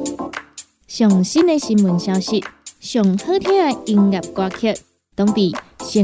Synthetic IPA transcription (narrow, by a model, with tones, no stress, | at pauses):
ɕjɔ˨˩ŋɕi˦˥ne˧ɕi˧nmu˨˩nɕja˧wɕi˧˥t̚ɕjɔ˨˩ŋhə˥˨t̪ʰjã˥˦a˧i˧ŋɡa˨˩p̚kwa˧kʰə˥˧t̚ | t̪ɔ˧˥ŋpi˨˩ɕɛ˧